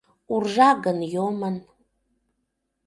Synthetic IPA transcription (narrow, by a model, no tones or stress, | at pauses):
urʐaɡənjomən